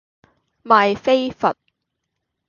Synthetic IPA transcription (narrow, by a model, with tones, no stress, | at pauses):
maː˨jfe˥jfɐ˨t̚